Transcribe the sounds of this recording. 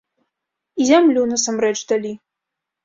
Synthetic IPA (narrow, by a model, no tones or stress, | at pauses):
izʲamlʲunɐsamɾɛt͡ʂd̪alʲi